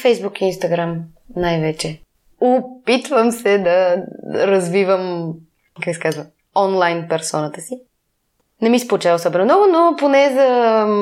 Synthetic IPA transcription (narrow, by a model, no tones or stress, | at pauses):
fɛjzbukiːnst̪ɐɡɾam | najvɛt͡ʃɛ | ʊpit̪vəmsɛd̪ɐɾɐzvivəm | kaksɛ̥kazvə | ɔnlˠajnpɛɾsɔnət̪əsi | nɛmispolˠt͡ʃavosɔbɛnomnɔɡʊnoponɛzɐ